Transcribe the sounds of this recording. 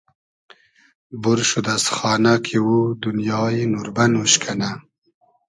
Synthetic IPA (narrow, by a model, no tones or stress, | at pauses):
buɾʃud̪asxɑːnakʰiwud̪unjɑːjenuɾbanwuʃkʰana